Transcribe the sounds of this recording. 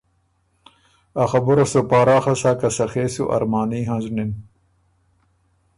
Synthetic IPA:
axɐbuɾɐsopaːɾaːxɐsaːkɐsɐxeːsuʔɐ̰ɾmaːniːɦãzunin

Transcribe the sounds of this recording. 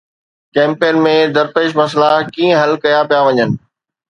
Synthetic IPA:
kɛ̃ːmpeːnmẽd̪ɐɾpeːʃmɐs̬lakĩːə̃ɦɐlkɐjapijaʋɐɲənɪ̆

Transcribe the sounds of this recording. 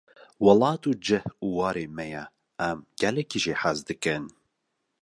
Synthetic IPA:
wɑlɑːt̪uːd͡ʒɨhuːwɑːɾeːmɛjɛ | ɛmɡ̥ɛlɛkiːʒiħazd̪ɨkɨn

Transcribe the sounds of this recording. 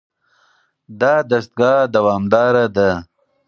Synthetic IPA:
d̪ɑːd̪ɐst̪̚ɡɑːd̪ɐwɑːmd̪ɑːɾad̪a

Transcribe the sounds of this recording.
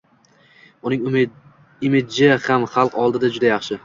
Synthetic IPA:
ʊnɪŋ | ɪmɪd̪̚d͡ʒɪhamχɑlˠqɒlˠd̪ɪd̪ad͡ʒʊd̪ajɑχʃɪ

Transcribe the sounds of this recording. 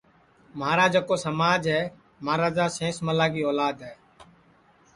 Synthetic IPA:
məɦaːɾaːd͡ʒaːkoːsəmaːd͡ʒɦɛː | maːɾaːd͡ʒaːsẽːsməlaːɡiːoːlaːd̪ɦɛː

